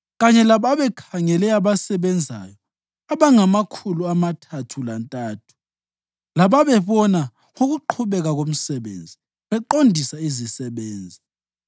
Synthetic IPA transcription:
ɣaɲɛlaβaβɛkʰaŋɛlɛaβasɛβɛnd͡zʱa̰ːjɔ | aβaŋamakʰuluamatʰatʰulantʼaːtʰu̥ | laβaβɛβɔna | ŋoɣuǃʰuβɛɣaɣom̩sɛβḛːnd͡zʱi | βɛǃondʱisaizisɛβeːnd͡zʱi

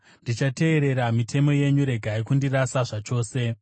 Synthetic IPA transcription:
ndit͡ʃate̞ːɾe̞ɾamitʰe̞mo̞je̞ɲuɾe̞ɡʱaikundiɾasaʐat͡ʃo̞ːse̞

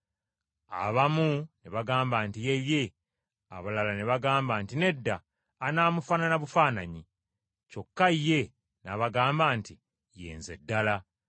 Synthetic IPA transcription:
a̰βamuneβaɡaːmbaːntijeβje̞ | a̰βalalaneβaɡaːmbaːntine̞dːaː | naːmufananaβufaːnaɲi | t͡ʃo̞kːajːe̞ | naβaɡaːmbaːnti | jḛːnze̞̰dːala

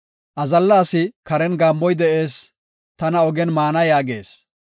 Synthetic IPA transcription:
ʔɐzɐlːaːsɪkɐɾɛnɡaːmːɔjd̪ɛʔe̞ːs | t̪ɐnɐɔɡɛnmaːnɐjaːɡe̞̰ːs

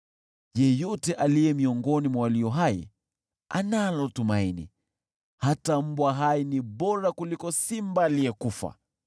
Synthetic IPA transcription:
jɛjɔtɛʔalijɛmiɔŋɡɔnimwawaliɔɦaḭ | a̰nalɔtumainḭ | hatam̩bwaɦainiɓɔɾakulikɔsimbaːliɛkufa̰

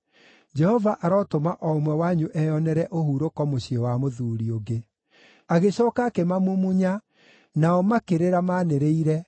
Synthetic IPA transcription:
d͡ʒɛhɔvaʔaɾɔtomaʔɔmwɛwaɲuʔɛɔnɛɾɛʔohuːɾokɔmoɕiɔwamoðuːɾioɡe | aɣeɕɔːkakemamumuɲa | naɔmakeɾeɾamaːneɾeiɾɛ

